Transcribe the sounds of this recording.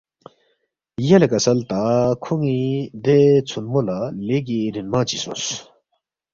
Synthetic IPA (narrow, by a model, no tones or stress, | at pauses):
jalakasalt̪akʰoŋːid̪et͡sʰonmolaleʔkiɾinmat͡ɕisʰos